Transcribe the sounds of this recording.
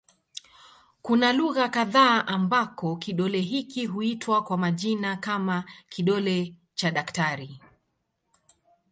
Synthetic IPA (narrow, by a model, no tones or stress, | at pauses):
kunaluɣakaðaːʔambakɔkiɗɔlɛɦikiɦuitwakwamaʄinakamakiɗɔlɛ | t͡ʃaɗaktaɾi